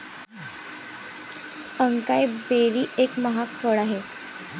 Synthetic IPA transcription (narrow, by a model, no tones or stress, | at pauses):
əŋkajbeɾiːʔekməɦakʰəɭaɦe